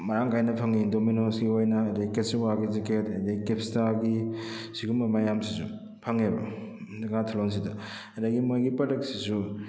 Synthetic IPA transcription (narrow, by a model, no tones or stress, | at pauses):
mɐɾaŋɡajnɐpʰaŋindominonsɡiojnɐːdeɡketsiwaɡiziketɐdikepstaɡisiɡumɐmajamsisu | pʰaŋebɐ̰diŋatʰilons̬idɐ | ɐdɐɡimojɡipɐdɐksisu